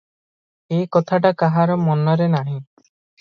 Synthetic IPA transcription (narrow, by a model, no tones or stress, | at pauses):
ekɔt̪ʰaʈakaɦaɾɔmɔnɔɾenaɦĩ